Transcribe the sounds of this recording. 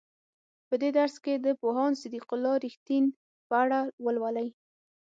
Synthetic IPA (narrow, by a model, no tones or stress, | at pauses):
pəd̪ed̪aɾsked̪əpoɦɑnsɪd̪iqʊlːɑɾixt̪in | pəaɽawəlwalaj